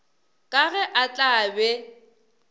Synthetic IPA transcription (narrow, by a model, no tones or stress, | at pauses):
kʼaɣɛʔat͡ɬʼaːbɛ